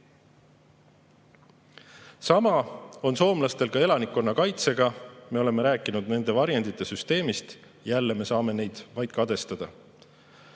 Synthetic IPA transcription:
sɑmɑo̞nso̞ːmlɑst̪e̞lkɑe̞lɑnikːˑo̞nːɑkɑjt̪se̞ɡ̥ɑme̞o̞le̞me̞ɾæːkːˑinud̪̚ne̞nd̪e̞vɑɾjend̪it̪ːˑe̞syst̪e̞ːmist̪ | jælːe̞me̞sɑːme̞ne̞jd̪̥vɑjd̪̥̚kɑd̪e̞st̪ɑd̪̥ɑ

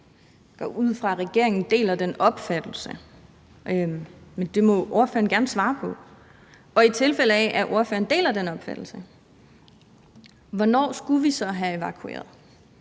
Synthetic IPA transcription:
ɡ̥ɒ̰ʔuð̰ˠfʁɑ̈ʁɛɡ̥e̝ɐe̝ŋn̩d̥e̝̰ːlæd̥enɒ̽b̥fæd̥l̩sə | ømend̥e̝mɒ̽ʔo̝ɐfø̰ɐn̩ɡ̥æɐnəsʋɑ̈ːpʰɒ̽ | ɒ̽it͡sʰe̝lfel̰əɛʔæʔo̝ɐfø̰ːɐn̩d̥e̝̰ːlæd̥enɒ̽b̥fæd̥l̩sə | ʋɒnɒ̰ːsɡ̥uʋisɒ̽ɦæe̝ʋæ̈kʰue̝̰ːɐðˠ

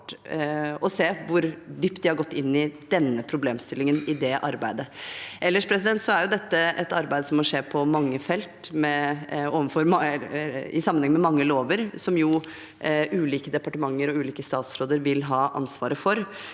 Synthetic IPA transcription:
ʈ | ɔseːʋʊɾd̪yːpt̪̚d̪ɪhɑɾɡɔt̪ːɪnːɪd̪̥ɛnːəpʰɾʊbleːmst̪ɪlːɪŋənɪd̪ɛʔɑ̰ɾbæɪd̪əʔɛlːəʂpʰɾɛs̬ɪd̪ɛnt̪sɔæɾjʊd̪ɛt̪ːəʔɛt̪ɑɾbæɪd̪əsɔmɔʂeːpʰɔmɑŋːəfɛlt̪mɛoːʋənfɔɾm | ɪ̰sɑmːənhɛŋːmɛmɑŋːəloːʋəɾsɔmjʊ | ʔʉːliːkəd̪ɛpɑʈəmɑŋːəɾɔʉːliːkəst̪ɑːt̪sɾoːd̪əɾʋɪlɦɑːʔɑ̰nsʋɑːɾəfɔɾ

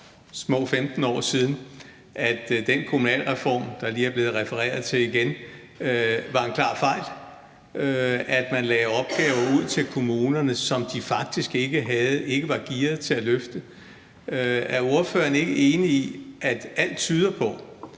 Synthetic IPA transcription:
smɔ̰̽ːfemd̥n̩ɒ̰ːsiːð̞ˠn̩ | ʔæd̥d̥enkʰo̝munɛ̰ːlʁɛfɒ̰ːmd̥ɑ̈liːæɐb̥le̝ːð̞̩ˠʁɛfəʁɛ̰ːɐðˠt͡sʰe̝liɡ̥en | ʋɑ̈e̝nkʰlɑ̰̈ːfɑ̈ɪ̰l | æd̥mænlɛːɒ̽b̥̚ɡ̥ɛːʊɐuð̞̰ˠt͡sʰe̝lkʰo̝muːnɐnəsɒ̽md̥ifɑ̈ɡ̥̚d̥isɡ̥eɡ̥əɦæð̩ˠe̝ɡ̥əʋɑ̈ɡ̥iɐð̩ˠt͡sʰe̝læløfd̥ə | æɐo̝ɐfø̰ːɐne̝ɡ̥əe̝ːniiʔæd̥æl̰d̥t͡sʰyːð̞ˠɐpʰɒ̽

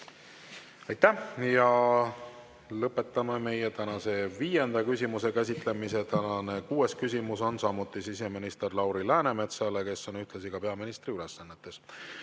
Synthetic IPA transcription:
ɑjt̪ːæjɑ | lɤpːˑe̞t̪ːˑɑmeme̞jet̪ænɑse̞viːje̞nd̪̥ɑkysʲimuse̞kæs̬ʲit̪ˑle̞mise̞t̪ænɑne̞kuːe̞skysʲimuso̞nsɑmut̪ˑːisis̬e̞minist̪e̞rlɑwɾilæːne̞me̞t̪sɑleke̞sːo̞nyht̪lesiɡ̥ɑpe̞ɑminist̪riylesːɑnːe̞t̪ːˑe̞s

